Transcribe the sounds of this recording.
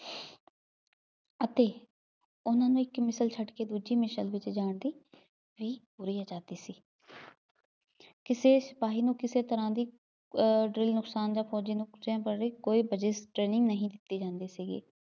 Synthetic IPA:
ət̪eː | ʊnãːnũːɪkmɪsəlt͡ʃʰəʈkeːd̪uːd͡ʒiːmɪʃəlʋɪt͡ʃd͡ʒaːɳd̪iː | ʋiːpuːɾiːaːd͡ʒaːd̪iːsiː | kɪseːsɪpaːɦiːnũːkɪseːt̪əɾãːd̪iː | ɖɾɪlnʊksaːnd͡ʒãːpʰɔːd͡ʒiːnũːd͡ʒãːpəɾeːkoːiːbəd͡ʒesʈɾeːnɪ̃ŋɡnəɦĩːd̪ɪt̪ːiːd͡ʒãːnd̪eːsiːɡḛː

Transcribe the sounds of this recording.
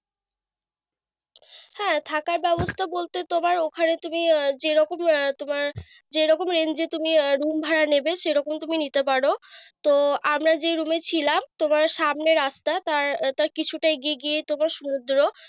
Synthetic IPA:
hɛ̃t̪ʰakaɾbɛbost̪ʰabolt̪et̪omaɾokʰanet̪umid͡ʑeɾɔkomt̪omaɾ | d͡ʑeɾɔkomɾend͡ʑet̪umiɾumbʱaɾanebeʃejɾɔkomt̪uminit̪epaɾot̪oamɾad͡ʑeɾumet͡ɕʰilamt̪omaɾʃamneɾast̪at̪aɾt̪aɾkit͡ɕʰuʈaeɡieɡiet̪omaɾʃunud̪ɾo

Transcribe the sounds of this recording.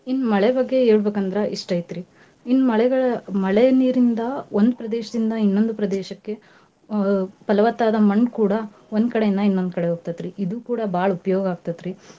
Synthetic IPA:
inːmɐɭɛbɐɡːe̞eːɭbeːkɐnd̪ɾɐʔiʂʈɐjt̪ɾi | inːmɐɭɛɡɐɭɐmɐɭɛɐniːɾind̪ɐo̞nd̪upɾɐd̪eːʃɐd̪ind̪ɐinːo̞nd̪upɾɐd̪ɛːʃɐkːe̞ | pɐlɐʋɐt̪ːaːd̪ɐmɐɳkuːɽɐ | o̞nd̪kɐɽejinːɐinːo̞nd̪kɐɽeɦoːɡt̪at̪ɾiʔid̪uːkuːɽɐbaːɭɐupɐjoːɡɐaːɡ̚t̪at̪ɾi

